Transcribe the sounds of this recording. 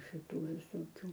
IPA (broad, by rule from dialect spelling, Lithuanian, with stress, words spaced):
ʃʲɪˈtuː ʋʲɪsoːˈkʲuː